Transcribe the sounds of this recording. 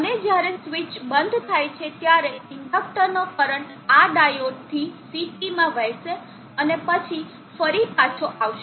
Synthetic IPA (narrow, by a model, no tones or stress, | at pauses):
əned͡ʒjaɾesʋit͡ʃbənd̪ʱt̪ʰajt͡ʃʰet̪jaɾeɪɳɖɔk̚ʈəɾnokəɾəɳʈ | aɖajoʈ̚t̪ʰisiʈimãʋɛjʃe | ənepət͡ʃʰi | fəɾipat͡ʃʰoʔaʋʃe